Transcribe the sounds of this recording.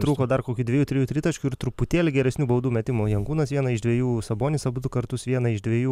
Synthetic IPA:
t̪ɾuːkoːd̪ɐrkoːkʲuːd̪ʲʋʲɛːjuːt̪ʲɾʲɪjuːt̪ʲɾʲɪt̪ɐt͡ʃʲkʲʊɪɾt̪ɾʊpʊt̪ʲeːlʲɪɡʲɛɾʲɛsʲnʲuːbɐʊd̪uːmʲɛt̪ʲɪmʊjɛŋkuːnɐsʋʲiɛnɐɪʒd̪ʲʋʲeɛjuːsɐboːnʲɪsɐbʊt̪ʊkɐɾt̪ʊsʋʲiɛnɐɪʒd̪ʲʋʲeɛjuː

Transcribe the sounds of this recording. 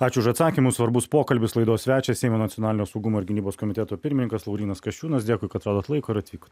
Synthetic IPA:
ɑːt͡ʃʲʊʊʃɐt̪sɑːkʲimʊsʋɐɾbʊspoːkɐlʲbʲɪslˠɐɪd̪oːsʲʋʲæːt͡ʃʲɛsʲɛɪmoːnɐt̪ʲɪɔnɑːlʲɪnʲoːsɐʊɡʊmoːɪɾɡʲɪnʲiːboːskomʲɪt̪ʲɛt̪oːpʲɪɾʲmʲnʲɪŋkɐslˠɐʊɾʲiːnɐskɐʃʲt͡ʃʲuːnɐsd̪ʲeːkɔɪkɐtɐt̪ɾoːd̪oːt̪lˠɐɪkoːɪɾɐt̪ʲʋʲiːko̥t̪

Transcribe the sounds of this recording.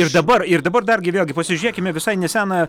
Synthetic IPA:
ɪrd̪ɐbɐrɪrd̪ɐbɐrd̪ɐrɡʲɪʋʲeːlʲˠɡʲɪpɐsʲɪʒʲʊɾʲeːkʲɪmʲɛʋʲɪsɐɪnʲɛsʲæːnɐ

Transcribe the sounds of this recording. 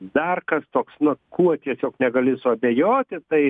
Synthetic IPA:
d̪ɐrkɐst̪oːksnʊkʰuɔt̪ʲiɛsʲoːknʲɛɡɐlʲɪsʊɐbʲejoːt̪ʲɪt̪ɐɪ

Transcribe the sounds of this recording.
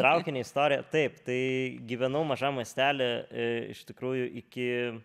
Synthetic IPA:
t̪ɾɐʊkʲɪnʲeːɪst̪oːɾʲɪjɛt̪ɐɪpt̪ɐɪɡʲiːʋʲɛnɐʊmɐʒɑːmɐsʲt̪ʲæːlʲɛɪ̰ʃt̪ʲɪkɾuːjʊʔɪkʲɪ

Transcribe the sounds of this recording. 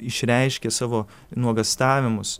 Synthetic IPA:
ɪʃʲɾʲɛɪʃʲkʲesɑːʋoː | nuɔɡɐst̪ɑːʋʲɪmʊs

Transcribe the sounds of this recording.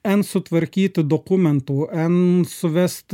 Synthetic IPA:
ɛnsɔt̪ʰʋɛɾkiːt̪əd̪ɔkʊmɛnt̪ʊʔɛnsɔʋɛst̪

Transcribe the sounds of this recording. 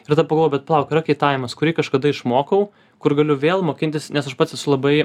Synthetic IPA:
ɪɾt̪ɐpɐɡlˠʋoːɛbʲɛt̪̚pɐlˠɐʊkʲɪɾɐkʲɛɪt̪ɑːʋʲɪmɐskʊɾʲiːkɐʃkɐd̪ɐɪʃmoːkɐʊ | kʊɾɡɐlʲʊʋʲeːlˠmoːkʲɪnt̪ʲɪsnʲɛsɐʃpɐt̪sʲɛsʊlˠɐbɐɪ

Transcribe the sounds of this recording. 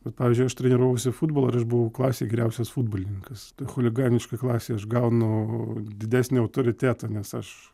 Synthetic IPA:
bʲɛt̪pɑːʋʲiːzʲd͡ʒʊɪɐʃt̪ʲɾʲɛnʲɪɾuɔːʋosʲɪfuːd̪bolˠɐɐɾɐʃbʊʋɐʊklˠɑːsʲeːɡʲɛɾʲɛʊsʲɛsfuːd̪̚boːlʲɪnʲɪŋkɐst̪ɐxolʲɪɡɑːnʲɪʃkɐklˠɑːsʲeːɐʃɡɐʊnʊd̪ʲɪd̪ʲæːsʲnʲɪːɐʊt̪oːɾʲɪt̪ʲæːt̪ɐnʲɛsɐʃ

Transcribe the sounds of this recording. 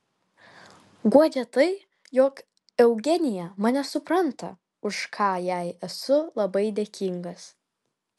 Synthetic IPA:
ɡuɔd͡ʒʲɛt̪ɐɪ | joːk | ɛʊɡʲɛnʲɪjɛmɐnʲɛsʊpɾɐnt̪ɐ̰ | ʊʃkʰɑːjæɪɛsʊlˠɐbɐɪd̪ʲeːkʲiŋɡɐs

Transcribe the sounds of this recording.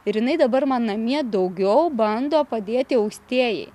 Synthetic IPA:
ɪɾjɪnɐɪd̪ɐbɐɾmɑːnɐmʲiɛd̪ɐʊɡʲɛʊbɐnd̪oːpɐd̪ʲeːt̪ʲɪɐʊksʲt̪ʲiɛjɛ̰ɪ

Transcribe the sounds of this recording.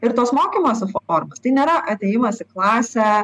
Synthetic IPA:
ɪɾt̪oːsmoːkʲiːmoːsʲɪfoːɾmɐst̪ɐɪnʲeːɾɐʔɐt̪ʲeːjɪmɐsɪklˠɑːsʲɛ

